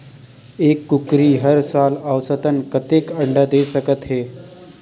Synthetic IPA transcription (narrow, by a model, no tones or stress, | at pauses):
ekːukɾiːɦəɾsaləwsət̪ənkət̪ekəɳɖad̪esəkət̪ɦe